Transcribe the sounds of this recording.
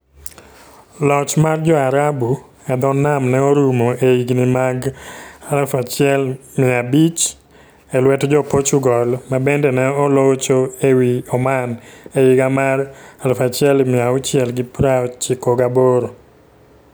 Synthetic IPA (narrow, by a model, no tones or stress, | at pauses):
lɔt͡ʃmard͡ʒɔaɾabu | ɛd̪ɔnamnɛoɾumoʔeiɡnimaɡalafat͡ʃɪɛlmɪabit͡ʃ | ɛlwɛtd͡ʒɔpot͡ʃuɡɔlmabendɛnɛɔlot͡ʃoewiɔmanejiɡamaralfat͡ʃɪɛlmɪaʊt͡ʃɪɛlɡɪpɾat͡ʃikoɡaboɾo